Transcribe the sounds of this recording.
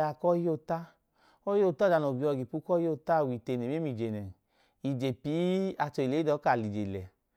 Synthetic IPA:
a˧kɔ˦jo˦ta˦ | ɔ˦jo˦˨ta˦˨a˨˧no˨bi˧˦ɔ˧˨ɡi˨pu˧˦kɔ˦jo˦ta˦˨wi˨te˨˧˨ne˨˦e˦mi˨d͡ʒe˨nɛ˨ | i˨d͡ʒe˨pi˨˦a˧t͡ʃɔ˧i˨le˨˦i˦dɔ˨˦ka˧˨li˨d͡ʒe˨lɛ˨

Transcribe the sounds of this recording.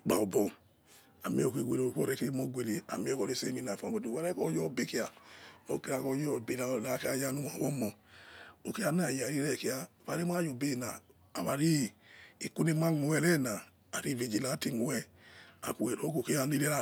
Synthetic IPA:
ɡ͡ba̰˨o˨bɔ˨ | a˨mi˦o˨kʷe˨ɡʷe˨lo˨kɔ̰˦˨ɾɛ˨ke˦ɾi˦mo˦ɡʷe˨li˨a̰˨mi˦o˦kɔ˨ɾe˦sḛ˦mi˧na˨fa˨˦mo˦du˨wa˦ɾɛ˦kɔ˦jɔ˦˨be˦ki˦a˨o̰˦ki˦ɾa˨˧kɔ˧˦jɔ˦˨bi˨la˨la˨˦ka˨˦ja˦nu˦m˨a˨wɔ˦mɔ˨ | o˨ki˦a˧n˦a˦˨ja˨ɾi˦ɾɛ˦˨ki˦a˧˨fa˨ɾi˦m˦a˦jo˨be˦˨naː˨ | βa˨ɾi˦i˨ku˦ne˦ma˦ŋu˨wɛ˦˨lɛ˦˨naː˨ | ɾi˦˨ve˨d͡ʒi˨la˨˦ti˦ŋu˨wɛ˦ | a̰˨ku˨e˨ɾo˦ko˨ke˦a˨ni˦le˦ɾa˦˨

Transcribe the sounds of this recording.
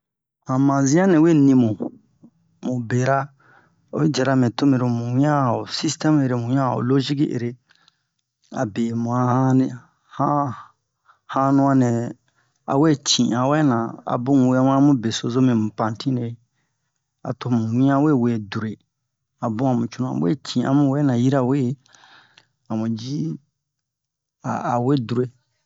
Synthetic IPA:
hã˨mã˨zĩ˦ã˦nɛ̃˨we˦nĩ˧mũ˨ | mũ˨be˨ɾa˦˨ | we˦d͡ʒɛ˨ɾa˨mɛ̃˨to˦mẽ˨ɾo˨mũ˨wĩ˦ã˦˨o˨si˦stɛ˦me˧ɾe˦mũ˨ĩ˦ã̰˦˨o̰˨lo˦ʒi˦ki˦ʔḛ˨ɾe˦ | a̰˨be˨mũ˨a˨hã˦n˨ | hã˦ | hã˦nũ˦ã˧nɛ̃˨ | a̰˨we˦˨t͡ʃĩ˨a˨wɛ˦nã˨a̰˨bũ˦˨we˦mũ˦a˦mũ˦be˨so˨zo˦mĩ˨mũ˨pã˨n˨tĩ˦ne˨˦ | a̰˨to˨m̃ũ˨wĩ˦ã˦we˦˨we˨du˨ɾe˨ | a˨bũ˦ã˨mũ˨t͡ʃu˦ũ˦a̰˨˦wḛ˦tʰĩ˨a̰˨mũ˨wɛ˦nã˨ji˦ɾa˨we˦˨˦ | a˨mũ˨d͡ʒi˦ | a̰˨a˨we˦du˨ɾe˨

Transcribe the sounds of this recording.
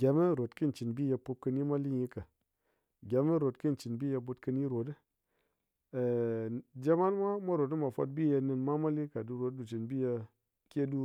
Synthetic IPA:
ɡʲa˨mə˦ɾo˨tki˦˨t͡ʃi˨nbi˦ja˧pu˧p̚kə˧nji˦ma˦li˦ji˦ka˨ | ɡʲa˨mə˦ɾo˨tki˦˨n˨t͡ʃi˨nbi˦ja˧bu˧tkə˧nji˦ɾo˨tə˦˨ | d͡ʒe˦ma˦n˦mʷa˦mʷa˦ɾo˨t̬ə˦ma˨fa̰˧t̚bi˦ja˧ni˧nma˦ma˦li˦ka˨du˨˧ɾo˨t̚du˨t͡ʃi˨nbi˦ja˧ | ke˦du˦

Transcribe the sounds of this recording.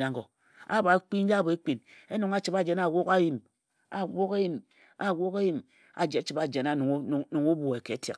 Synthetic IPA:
na˨ŋɡo˨ | a̰˦ba˨˦k͡pi˦n̩˦d͡ʒa˦bo˨e˦k͡pi˨ne˦nu˨ŋa˦t͡ʃi˨ba˦d͡ʒe˨na˨wo˦ka˦ji˦˨m | a˨wo˦ka˦ji˦m | a˨wʷo˦ka˦ji˦m | a̰˨d͡ʒe˨˦t͡ʃi˨ba˨d͡ʒe˨na˨nu˨ŋ˦˨˦nu˨ŋu˦bu˨e˨ke˨˦tḛ˨k

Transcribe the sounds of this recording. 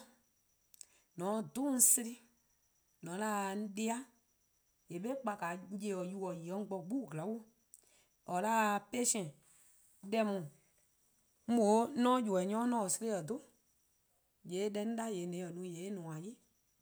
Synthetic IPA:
nɔ̃˨˦dũ˦si˧ɾi˦ | nɔ̃˨˦laː˦˨n̩˦de˧˦a˦ | je˨ɓe˦k͡pa˧ka˨˦je˧˦ɔ˨ju˧˦ɔ˨ji˨ɔ˨˦ŋ˦ɡ͡bɔ˧ɡ͡bu˦˨ɡla˨˦wu˦ | ɔ˨la˦˧pe˦sɛ̃˨ | dɛ˧mũ˨ | m̩˦bo˨˦nɔ̃˦ju˨ɛ˨ɲɔ̃˨˦nɔ̃˦˨ɔ˨se˧ɾe˦ə˨do˦ | je˨˦ɗɛ˧˦ñ̩˦da˦˨je˨˦nɛ̃˨˦˨ɔ˨nũ˨˦je˨˦nũ˨ã˨ji˦

